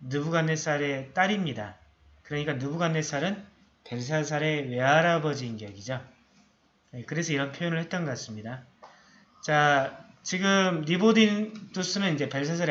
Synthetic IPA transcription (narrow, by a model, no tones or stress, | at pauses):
nubuɡanːes͈ʰaɾe̞t͈aɾimɲida̰ | kɯɾʌɲik͈anubuɡanːes͈aɾɯn | pe̞ɭs̬ʰasʰaɾe̞we̞aɾabʌd͡ʑinɡʌɡid͡ʑo | jekɯɾe̞sʰʌiɾʌnpʰjojonɯɭhe̞t̚t͈ʌnɡʌk͈as͈ɯmɲida | t͡ɕa | t͡ɕiɡɯmnibodint͈usʰɯnɯnid͡ʑe̞pe̞ɭsʰas̬ʰaɾ